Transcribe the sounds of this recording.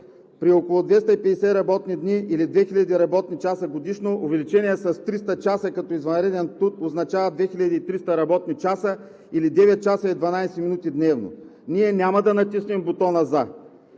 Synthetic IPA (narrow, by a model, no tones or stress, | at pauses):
pɾiokolˠʊd̪vɛst̪əipɛd̪ɛsɛɾɐbɔt̪nid̪niilid̪vɛxilʎʲɐd̪iɾɐbɔt̪nit͡ʃasəɡod̪iʃnoʊvɛlit͡ʃɛniɛsɐst̪ɾist̪ət͡ʃasəkɐt̪ɔizvɐnɾɛd̪ɛnt̪ut̪oznɐt͡ʃavəd̪vɛxiʎʲɐd̪iːt̪ɾist̪əɾɐbɔt̪nit͡ʃasə | ilid̪ɛvɛt̪̚t͡ʃasəid̪vɐnajsɛminut̪id̪nɛvno̰niɛnʲamɐd̪ɐnɐt̪isnimbot̪ɔnɐza